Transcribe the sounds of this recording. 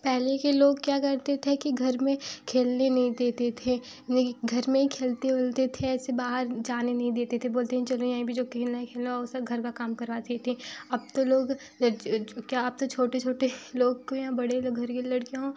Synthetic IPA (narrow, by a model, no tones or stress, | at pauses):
pɛɦlekeloːɡkjaːkɐɾt̪et̪ʰekiɡʱɐɾmẽkʰeːlnenɐɦĩd̪eːt̪et̪ʰe | eɡʱɐɾmẽkʰeːlt̪eʊlt̪et̪ʰeɛːsebaːɦəɾd͡ʒaːnenɐɦĩd̪eːt̪et̪ʰeboːlt̪eɦɛ̃t͡ʃɐlõjaːɦĩbʱid͡ʒoːkʰeːlnaekʰeːlneʊsɐbɡʱɐɾkakaːmkɐɾʋaːt̪et̪ʰiɐb̚t̪oloːɡ | kjaːɐb̚t̪ot͡ʃʰoːʈet͡ʃʰoːʈeloːɡkojãbɐɽeloːɡʱɐɾkelɐɽkeɦõː